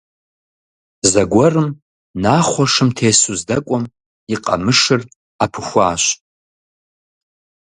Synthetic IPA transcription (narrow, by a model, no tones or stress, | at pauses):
zɐɡʷɔrɨm | naːχʷɔʂɨmtʰeːsuzdɐkʷʼɔm | iqʼa̰mɨʂɨr | apʰɨxʷaːʃ